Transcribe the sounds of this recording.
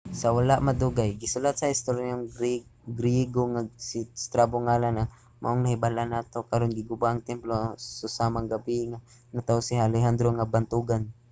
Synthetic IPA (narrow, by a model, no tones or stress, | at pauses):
sawalaʔmad̪uɡajɡɪsʊlat̪̚saɪst̪oɾjanoŋɾɡɾjɛɡoŋasist̪ɾabʊŋaːlana | ma̰ʔoŋnahɪbalanaːt̪okaɾonɡɪɡʊbaʔːŋt̪ɛmplosʊsamaŋɡabiŋa | nat̪aosɪhalɛɦand̪ɾoŋabant̪uɡan